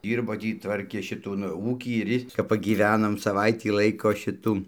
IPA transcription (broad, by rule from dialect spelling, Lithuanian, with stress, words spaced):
ˈdʲiːrboː ˈtʲiː ˈtʋɐrʲkʲeː ʃʲɪˈtuː nʊ ˈuːkʲiː ɪr ˈjɪs kɐp pɐɡʲiːˈʋʲæːnoːm sɐˈʋɐɪtʲiː ˈlˠɐɪkoː ˈʃʲɪtuː